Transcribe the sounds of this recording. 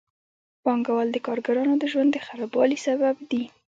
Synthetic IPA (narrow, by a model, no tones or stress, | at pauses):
pɑŋɡawald̪əkɑɾɡaɾɑnod̪əʒwand̪ːəxaɾɑbwɑlisababd̪i